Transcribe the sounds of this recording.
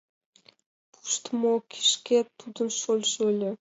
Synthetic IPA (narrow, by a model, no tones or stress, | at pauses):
pʰu̥ʃt̪əmokʰi̥ʃket̪ːud̪ə̆nʃolʲʃølʲɘ̆